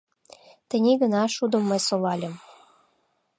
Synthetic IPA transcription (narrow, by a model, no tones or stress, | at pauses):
t̪ə̆nʲiɣə̆nɑʃud̪ə̆mːɤjsolɑlʲə̆m